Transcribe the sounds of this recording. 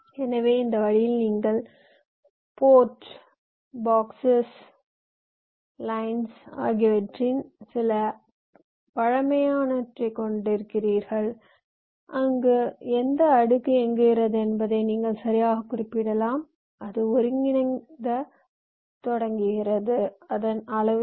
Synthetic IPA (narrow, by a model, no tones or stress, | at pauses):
ɛnɐʋeːɪnd̪ɐʋɐɻɪjɪlniːŋɡɐɭ | poːʈ | baːksɐs | lɐɪnsa̰ːɣɪʋɐʈrɪnsɪlɐ | pɐɻɐmɐjaːnɐʈrɐkɔɳɖɪɾɯkːɪriːɾɣɐɭ | ʔɐŋɡeɛnd̪ɐːɽɯkːɯɛŋɡɪɣɪɾɐðɯɛnbɐðɐɪniːŋɡɐɭsɐɾɪjaːɣɐkːʊɾɪpːɪɽɐlaːm | ʔɐðɯɔɾɯŋɡɪnɐnd̪ɐ | t̪ɔɽɐŋɡɯɣɪɾɐðɯɐðɐnɐlɐʋ